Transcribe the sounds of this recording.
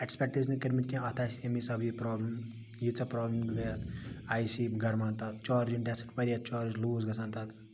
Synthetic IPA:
ekspʲek̚ʈiznikɐɾmit̪kʲẽɐt̪ʰaːsiɐmisɐbjipɾɔːblɐm | jit͡sʰɐpɾɔːbləmɡɨɡɐjɐt̪aːjsiɡɐɾmaːnt̪at̪t͡ʃaːɾd͡ʒinɖesɐʈpɐɾijat͡ʃaːɾd͡ʒluːzɡɐsãːnt̪at̪

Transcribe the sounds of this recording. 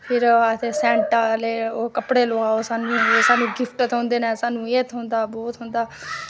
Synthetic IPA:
pʰɪɾət̪ʰeːsɛ̃ːɳʈaːleːoːkəpɽeːloːaːoːsaːnũːoːsaːnũːɡɪpʰʈət̪ɦõːnd̪eːnɛ̃ːsaːnũːeːt̪ɦʊ̃nd̪aːbɔːt̪ɦʊ̃nd̪aː

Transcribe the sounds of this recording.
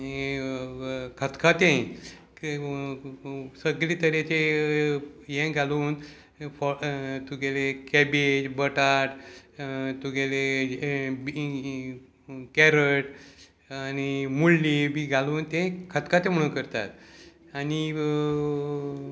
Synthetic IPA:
i | kʰət̪kʰat̪ẽ | səɡliːt̪əɾet͡ɕe | jẽɡʱaluːn | fɔt̪ʰuɡelekɛbed͡ʑbəʈaʈ | t̪uɡele | b | kɛɾəʈ | animulːibiɡʱaluːnt̪ẽkʰət̪kʰat̪ẽm̤əɽ̃ũkəɾt̪a̰t̪ | ani

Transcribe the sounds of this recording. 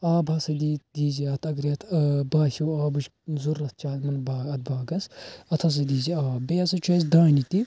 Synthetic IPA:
aːbʱɐsɐd̪iːd̪iːziɐt̪ʰɐɡɾiɐt̪ʰbaːhʲuːaːbɨʃ | zuɾɐt̪̚ʰt͡ʃaːlʲmɐnbaɐt̪̚baːɡɐsɐt̪ʰɐs̬ɐd̪iːziaːbeɐsɐt͡ʃʰɐsd̪ãːnit̪i

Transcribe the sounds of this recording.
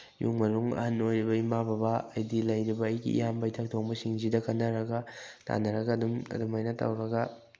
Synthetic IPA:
jṵŋmɐɾuŋɐ̰hanojɾibɐimabɐbɐːjdilɐjɾibɐːjɡḭʔḭjambɐjtʰɐk̚tʰoŋbɐsiŋzidɐkɐnːɐɾɐɡɐtʰa̰nːɐɾɐɡɐːdumɐ̰dumɐjnɐtɐ̰wɾɐɡɐ

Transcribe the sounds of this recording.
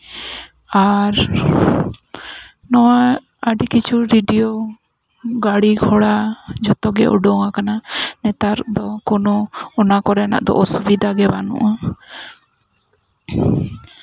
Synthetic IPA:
aɾ | nɔwa | əɖikit͡ʃʰuɾiɖiɔ | ɡaɽiɡʱɔɽad͡ʒɔt̪ɔɡɛʔṵɖɔŋakananɛt̪aɾd̪ɔkɔnɔɔnakɔɾɛna̰ʔd̪ɔ̰ʔɔsubid̪ʱaɡɛbanṵʔa

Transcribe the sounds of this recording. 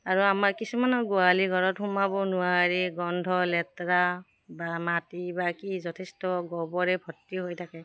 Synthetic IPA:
aɹuamakisumanɔɡualiɡʱɔɹɔthumabɔnʊaɹiɡɔndʱɔlɛt̪ɹa | bamatibakizɔtʰestɔɡɔbɔɹebʱɔtːiɦojtʰakɛ

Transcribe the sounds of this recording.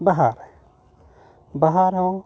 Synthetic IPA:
baɦaɾ | baɦaɾɦõ

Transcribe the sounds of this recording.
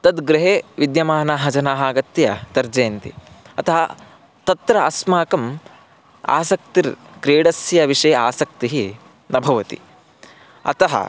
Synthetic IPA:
t̪ɐd̪ɡɾɪɦeːʋid̪jɐmaːnaːɦɐd͡ʒɐnaːɦaːɡɐt̪jɐt̪ɐɾd͡ʒeːnt̪ḭ | ɐt̪ɐɦɐ | t̪ɐt̪ɾɐɐsmaːkɐm | a̰ːsɐk̚t̪iɾkɾeːɽɐsjɐʋiʂɐjɐaːsɐk̚t̪iɦi | nɐbʱɐʋɐt̪ḭ | ɐ̰t̪ɐɦɐ̰

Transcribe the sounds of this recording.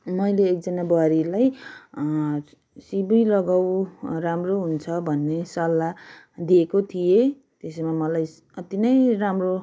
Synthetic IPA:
mʌjleːk̚d͡zʌnabʌɾilaj | sibijlʌɡawɾamroɦunt͡sʰʌbʱʌnːesʌlːa | d̪iekot̪ʰije | t̪esmamʌlaj | ʌt̪inʌjramro

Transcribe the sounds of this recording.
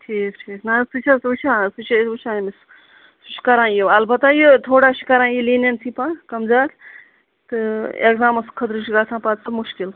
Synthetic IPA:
ʈʰiːkʈʰiːknasut͡ʃʰasut͡ʃʰãsut͡ʃʰɐut͡ʃʰãmis | suʃi̥kɐɾãːnjiɐlbɐt̪aːjit̪ʰoːɽaːʃi̥kɐɾãːjiliːnɐnsipãkɐmd͡zaːt | t̪ɨḛkzaːmɐskʰɐt̪ɾuʃiɡaːt͡sʰãːpat̪sɐmuʃkil

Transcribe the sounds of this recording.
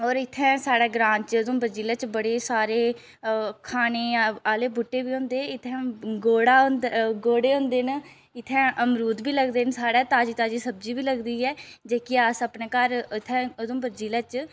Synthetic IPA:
ɔːɾɪt̪ʰːɛ̃ːsaːɽɛːɡɾãːɲt͡ʃʊd̪õːbəɾd͡ʒiːlaːt͡ʃbəɽeːsaːɾeː | kʰaːneːaːleːbʊʈːeːbiːɦõːnd̪eːɪt̪ʰːɛ̃ːɡoːɽãːnd̪ɡoːɽeːʊ̃ːnd̪eːn | ɪt̪ʰːɛ̃ːəmɾuːd̪biːləɡd̪eːnsaːɽɛːt̪aːd͡ʒiːt̪aːd͡ʒiːsəb̚d͡ʒiːbiːləɡd̪iːɛːd͡ʒeːkɪaːsəpneːkəɾɪt̪ʰːɛ̃ːʊd̪õːbəɾd͡ʒiːlaːt͡ʃ

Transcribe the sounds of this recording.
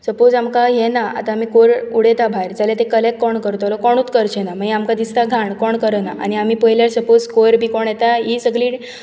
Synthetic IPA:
səpod͡zamkajenaa̰t̪ãːm̤ikoɾuɽet̪abʱaɾd͡zalet̪ekəlek̚kɔɳkəɾt̪alɔkɔɽ̃ut̪kəɾt͡ɕʰenaməiamkãd̪ist̪aɡʱaɳkɔɳkəɾənaʔa̰ñiam̤iːpəjljaɾsəpod͡zkoɾbʱiːkɔɳjet̪aɦisəɡɭiː

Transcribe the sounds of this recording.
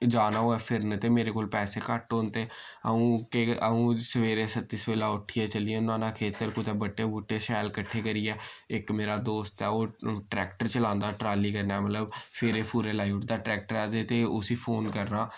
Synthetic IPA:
d͡ʒaːnaːoːɛːpʰɪɾnt̪eːmeːɾeːkoːlpɛːseːkəʈoːnt̪eːəũːkeəũːsəʋeːɾeːsət̪ːiːsʋeːlaːʊʈʰijɛːt͡ʃəlijɛ̃ːnãːnaːkʰeːt̪əɾkʊt̪ɛːbəʈːeːbuːʈːeːsɛːlkəʈʰːeːɡəɾiːɛːɪkmeːɾaːd̪oːst̪ɛːoːʈɾɛːkʈəɾt͡ʃəlãːnd̪aːʈɾaːliːkəɾnɛːmət̪ləbpʰɪɾeːpuːɾeːlaːiʋʈd̪aːʈɾɛːk̚ʈəɾɛːd̪eːt̪eːʊsiːpʰoːnkəɾnaː

